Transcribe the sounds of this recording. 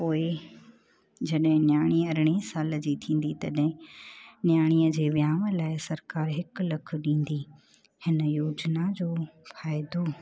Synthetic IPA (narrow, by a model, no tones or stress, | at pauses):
poːɪ | d͡ʑɐɗɦɪ̃njaːɽ̃iːɐɾɪɽ̃esaːld͡ʑiːt̪ʰĩːn̆d̪it̪ɐɗɦɪ̃njaːɽ̃iːjəd͡ʑeːʋjaːməlaːɪsɐɾkaːɾɦɪklɐkʰʊ̆ɗĩːn̆d̪i | hɪnəjoːd͡ʑnad͡ʑoːfaːɪd̪o